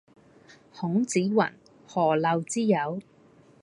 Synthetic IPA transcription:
hʊ˨˥ŋt͡siː˨˥wɐ̰˨˩n | hɔː˨˩lɐ˨˧wt͡siː˥jɐ˨˧˥w

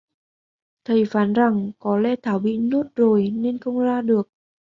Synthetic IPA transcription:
t̪ʰə˨˩jfaː˨˦nza˨˩ŋkɔ˨˦lɛ̰˧˥t̪ʰaː˧˩wɓḭ˧˨ɲu˦˥t̚zo˨˩jne˧nxə˧wŋ͡mzaː˧ɗɨ˨˩ək̚

